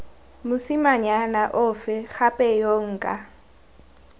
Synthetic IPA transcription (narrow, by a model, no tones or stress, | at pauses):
mʊsɪmaɲanaʔʊfɛxapʼɛjɔŋ̩ːkʼa